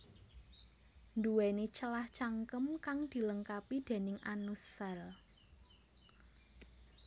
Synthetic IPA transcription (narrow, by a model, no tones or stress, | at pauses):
nd̪uwenet͡ʃəlaht͡ʃaŋkəmkaŋd̪̥i̤ləŋkapid̪̥e̤nɪŋʔanusal